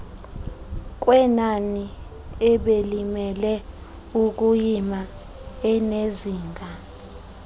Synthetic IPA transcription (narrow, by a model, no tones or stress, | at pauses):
k̬wɛnani | ɛɓelimɛlɛ | uk̬ujima | ɛneziːŋɡʱa